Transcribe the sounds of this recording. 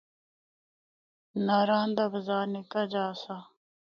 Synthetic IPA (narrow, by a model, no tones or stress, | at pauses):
naːɾaːnd̪abəzaːnikad͡ʒaːsa